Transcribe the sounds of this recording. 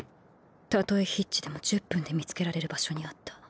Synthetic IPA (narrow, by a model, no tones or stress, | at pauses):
t̪at̪o̞eçitt͡ɕːid̪e̞mo̞d͡ʑɨpːɯ̟̃nd̪e̞mʲit͡sɨ̥ke̞ɾaɾe̞ɾɯ̟baɕo̞ɲ̟iat̪ːḁ